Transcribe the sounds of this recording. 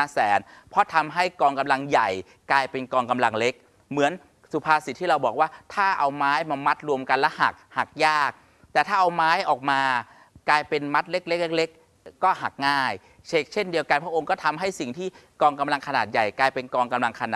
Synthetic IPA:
aː˧˥sɛː˩˦npʰɔ˦˥t̪ʰa˧mɦa˥˩jkɔː˧ŋka˧mla˧ŋja˨˩j | klaː˧jpe˧nkɔː˧ŋka˧mla˧ŋle˦˥k̚ | mɯ˩˦ən | su˨˩pʰaː˧si˨˩t̪ʰːiː˥˩ɾa˧wbɔː˨˩k̚waː˥˩t̪ʰaː˥˩ʔa˧wmaː˦˥jmaː˧ma˦˥t̪̚ɾu˧əmka˧nlɛ˦˥ha̰˨˩k̚ha˨˩k̚jaː˥˩k̚ | t̪ɛː˨˩t̪ʰaː˥˩ʔa˧wmaː˦˥jʔɔː˨˩k̚maː˧ | klaː˧jpe˧nma˦˥t̪̚le˦˥k̚le˦˥k̚le˥k̚le˦˥kː | ɔː˥˩ha˨˩k̚ŋaː˥˩j | t͡ɕʰeː˦˥˩k̚t͡ɕʰe˥˩ndi˧əwka˧npʰɾa˥ʔo˧ŋkɔː˥˩t̪ʰa˧mɦa˥˩jsi˨˩ŋt̪ʰiː˥˩kɔː˧ŋka˧mla˧ŋkʰa˧naː˨˩t̪̚ja˨˩jklaː˧jpe˧nkɔː˧ŋka˧mla˧ŋkʰa˧naː˨˩

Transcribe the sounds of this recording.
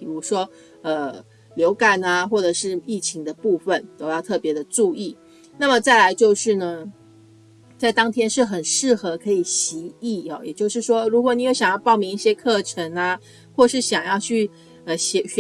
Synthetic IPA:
pi˨˩ɻu˧˥ʂwɔ˥ | ə˨ | ljo˧˥ʊka˩na˧xwɔ˥˩ʈ͡ʂɤ˨˩ʂɻ̩˥˧i˥˩t͡ɕʰi˧˥ŋd̪ə˧pu˥˧fə˨˩nt̪o˥ʊj̪ɑ˥˧ʊt̪ʰɤ˥˩pjɛ˧˥d̪ə˨ʈ͡ʂu˥˧i˥˩ | na˥˩mə˩t͡sa˥˩ɪla˧˥ɪt͡ɕjo˥˧ʊʂɻ̩˥˩nə˩ | t͡sa˥˩ɪt̪ɑ˥ŋt̪ʰjɛ˥nʂɻ̩˥˩xə˨˩nʂɻ̩˥˩xɤ˧˥kʰɤ˧˥i˨˩ɕi˧˥i˥˩ɔ˨˩jɛ˨˩t͡ɕjo˥˧ʊʂɻ̩˥˩ʂwɔ˥ɻu˧˥xwɔ˧˥ni˨˥jo˧˩ʊɕjɑ˨˩ŋjɑ˥˧ʊpɑ˥˩ʊmi˧˥ŋi˥˩ɕjɛ˥kʰɤ˥˩ʈ͡ʂʰə˧˥ŋa˧ | xwɔ˥˩ʂɻ̩˥˩ɕjɑ˨˩ŋjɑ˥˧ʊt͡ɕʰy˥˩ | ə˩ɕɛ˧˥

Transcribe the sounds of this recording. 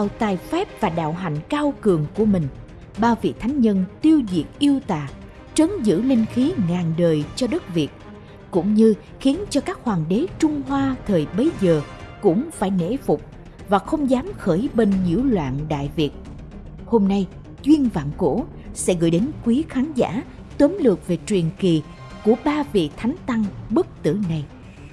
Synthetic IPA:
ɗaː˨˩wt̪aː˨˩jfɛ˦˥p̚v̥aː˨˩ɗa̰ː˧˨wɦa̰˧˨jŋ̟kaː˧wkɨ˨˩əŋku˧˩əmï˨˩ŋ̟ | ɓaː˧vḭ˧˨t̪ʰa˨˦jŋ̟ɲə˧nt̪i˧əwzḭ˨˩ək̚ʔi˧əwt̪a̰ː˨˩ | t͡ɕə˨˦nzɨ̰˧˥lï˧ŋ̟xi˨˦ŋaː˨˩nɗəː˨˩jt͡ɕɔ˧ɗə˦˥k̚vi˨˩ət̚ | kʊ̰˧˥ŋ͡mɲɨ˧ | xi˨˦ənt͡ɕɔ˧kaː˦˥k̚hwaː˨˩nɗe˨˦t͡ɕʊ˧ŋ͡mɦwaː˧t̪ʰəː˨˩jɓə˨˦jzəː˨˩kʊ̰˧˥ŋ͡mfaː˧˩jnḛ˧˥fʊ˨˩k͡p̚ | vaː˨˩xə˧wŋ͡mzaː˨˦mxəː˧˩jɓe˧nɲḭ˧˥əwlwa̰ː˧˨nɗa̰ː˧˨jvi˨˩ət̚ | ho˧mna˧j | t͡ɕwi˧ənva̰ː˧˨nko̰˧˥ | sɛ̰˧˥ɣə̰˧˩˨jɗe˨˦nkwi˨˦xaː˨˦nza̰ː˧˥ | t̪wə˨˦mlɨ˨˩ək̚ve˨˩t͡ɕwi˨˩nki˨˩ | ku˧˩əɓaː˧vḭ˧˨t̪ʰa˨˦jŋ̟t̪a˧ŋɓɨ˦˥k̚t̪ɨ̰˧˩na˧j

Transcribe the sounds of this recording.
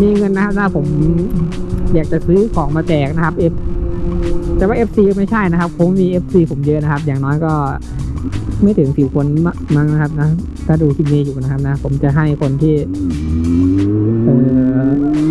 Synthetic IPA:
miː˧˩ŋɤ˧nːa˦˥kʰa˦˥p̚tʰaː˥˩pʰo˩˦m | jaː˨˩k̚t͡ɕa˨˩sɯː˦˥kʰɔː˩˦ŋmaː˧t͡ɕɛː˨˩k̚na˦˥kʰa˦˥p̚ʔe˦˥p̚ | t̪ɛː˨˩waː˥˩ʔe˦˥p̚siː˧kːma˥˩jt͡ɕʰa˥˩jna˦˥kʰa˦˥p̚kʰo˨˦m˥˩miː˧ʔe˦˥p̚siː˧pʰo˩˦mjɤ˦˧˥na˦˥kʰa˦˥p̚jaː˨˩ŋnɔː˦˥jkɔː˥˩ | ma˥˩jt̪ʰɯ˩˦ŋsiː˨˩kʰo˧na˧ma˧˥ŋna˦kʰa˦˥p̚na˦˥ | t̪ʰaː˥˩duː˧k̪ʰi˧˩niː˧juː˨˩na˦˥kʰa˦˥p̚na˦˥pʰo˩˦mt͡ɕa˨˩ɦa˥˩jkʰo˧nt̪ʰiː˥˩ | ʔɤː˨˩

